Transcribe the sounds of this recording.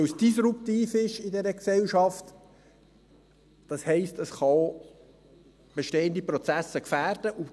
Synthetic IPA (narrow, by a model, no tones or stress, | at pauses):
wsd̥isɾup̚tiːfɪʃɪdɛɾəksɛwʃɑft | d̥ɑshɛɪstəsχɑ | b̥eʃteːəndipɾɔt͡sæsəkfæːrd̥əʔʊ